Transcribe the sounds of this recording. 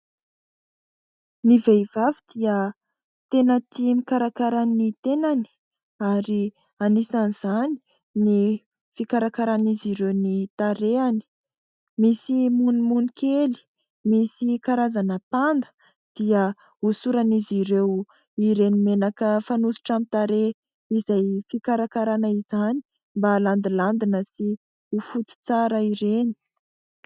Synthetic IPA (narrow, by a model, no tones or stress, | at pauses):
nivev̥avid̪̥iə | t̪enət̪imikaɾakaɾanit̪enani̥ | aɾi | anisaniz̥ani̥ | ni | fikaɾakaɾaniziɾewnit̪aɾeani̥ | misimunimunikeli̥ | misikaɾazanəpand̪ə̥ | d̪̥iə | usuɾaniziɾew | iɾenimenakəfanusi̥ʈ͡ʂamit̪aɾe | izajfikaɾakaɾanaizani̥ | mbaland̪iland̪inəsi | ufut͡s̪i̥t͡saɾəiɾeni̥